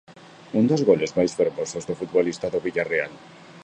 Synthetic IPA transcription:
und̪ozɣolezmajsfeɾmosozðofut̪βolist̪aðoβiʎareal

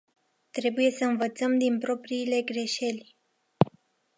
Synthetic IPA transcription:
t̪ɾe̞buje̞səɨnvət̪səmd̪inpɾo̞pɾiːle̞ɡɾe̞ʃe̞lʲ

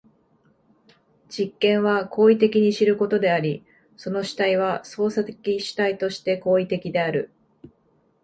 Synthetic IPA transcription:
d͡ʑ̥ikːẽ̞ɰ̃βakʰo̞ːit̪e̞kʲiɲ̟iɕiɾɯ̟ko̞t̪o̞d̪e̞aɾʲi | so̞no̞ɕi̥t̪aiβ̞aso̞ːsat̪ekʲiɕi̥t̪ait̪o̞ɕi̥t̪e̞ko̞ːit̪e̞kʲid̪e̞aɾɯ̟

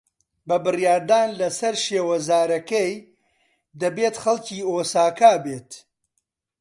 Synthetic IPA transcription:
bɐbɨrjaːɾd̪aːnlɐsɐɾʃeːwɐzaːɾɐkɐj | d̪ɐbeːt̪xɐlˠciːoːsaːkaːbeːt̪

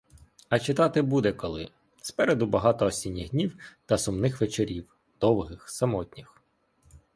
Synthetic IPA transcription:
ɐt͡ʃɪt̪ɑt̪ɪbud̪ɛkɔlˠɪ | spɛɾed̪ʊbɐɦɑt̪ɔːsʲinʲːiɣdʲnʲiwt̪ɐsʊmnɪxʋet͡ʃeɾʲiw | d̪̥ɔwɦɪxsɐmɔtʲnʲix

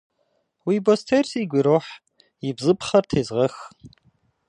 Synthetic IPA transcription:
wibostʰersiɡʷiɾoħ | ibzɨpʰχɐrtʰeːzʁəx

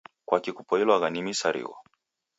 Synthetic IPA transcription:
kwakikupɔilwaɣanimisaɾḭɣɔ̰

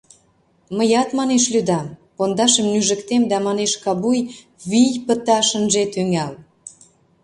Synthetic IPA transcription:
məjɑt̪mɑneʃlyd̪ɑmpond̪ɑʃəmnyʒə̆kt̪emd̪æmɑneʃkɑβuj | βijpə̆t̪ɑʃə̆nʒet̪yŋæl

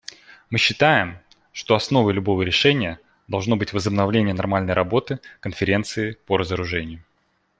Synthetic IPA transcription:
mɨɕːɪt̪ajɪm | ʂt̪o̞ɐsno̞vəjlʲʊbo̞vəɾʲɪʂɛnʲɪjə | d̪ɐlˠʐno̞bɨtʲvəzəbnɐvlʲenʲɪjənɐrmalʲnəjɾʔɐbo̞t̪ɨkənfʲɪɾʲe̞nt̪sɨɪpəɾəzəɾʊʐɛnʲɪjʊ

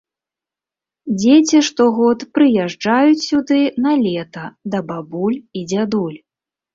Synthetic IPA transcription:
d͡zʲet͡sʲiʂt̪ɔɣɔt̪pɾɨjaʐd͡ʐajut͡sʲsʲud̪ɨnɐlʲɛt̪ɐd̪ɐbabulʲid͡zʲad̪ulʲ

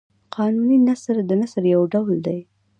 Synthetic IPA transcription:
qʰɑnuninasɾd̪ənasɾjawɖawld̪aj

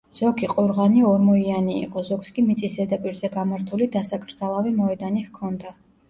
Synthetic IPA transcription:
z̥ɔkʰiqʼɔɾʁaniɔɾmɔianḭːqʼɔzɔkskʼimit̪sʼisɛd̪apʼiɾzɛɡamaɾt̪ʰulid̪asakʰʼɾd̪zalˠavimɔɛd̪anihkʰɔnd̪a

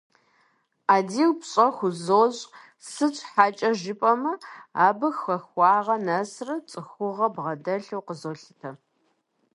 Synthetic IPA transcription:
aːdiːwpɕʼɐxʷʊzoːʑʼ | sɨt͡ʃʼħaːt͡ʃʼɐʒɪpʼɐmɐaːbɨxʷɐxʷɑːʁɐnɐsrɐt͡sʼɨxʷʊʁɐbʁɐdɐɬɐwqəzoːɬɨtʰɐ

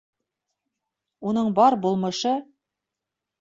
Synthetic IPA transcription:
unɤɴbɑɾbulˠmɤ̆ʃɤ

